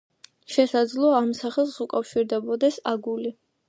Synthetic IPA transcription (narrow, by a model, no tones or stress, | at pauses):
ʃɛsad̪zlˠɔaːmsaχɛlˠsukʼafʃiɾd̪ɛbɔd̪ɛsaɡuli